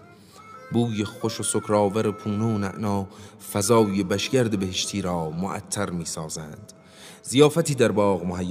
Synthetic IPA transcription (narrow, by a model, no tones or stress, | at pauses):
buːjeχoʃosokʰɾɑːvæɾepʰuːneonæʔnɒː | fæzɒːjebæʃɡæɾd̪e̞be̞heʃt̪ʰiːɾɒːmoʔæ̰t̪ʰːæɾmiːsɒːzænd̪̥ | zijɒːfæt̪ʰiːd̪æɾbɒːɣmohɦæjː